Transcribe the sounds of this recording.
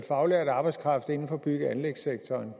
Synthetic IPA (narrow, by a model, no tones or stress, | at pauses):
fɑ̈ʊleɐd̥ɑ̈ːb̥ɑɪskʰʁɑ̈fd̥e̝n̩fɒ̽ːb̥yɡ̥əænleɡ̥seɡ̥̚t͡sʰɒːn